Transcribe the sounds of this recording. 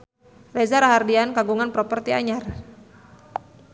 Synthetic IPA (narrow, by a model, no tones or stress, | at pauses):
rezaɾaɦardiankaɡuŋanpɾɔpərt̪ia̰ɲar